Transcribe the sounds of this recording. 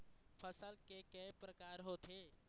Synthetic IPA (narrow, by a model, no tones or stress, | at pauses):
pʰəsəlkekɛpɾəkaːɾɦoːt̪ʰeː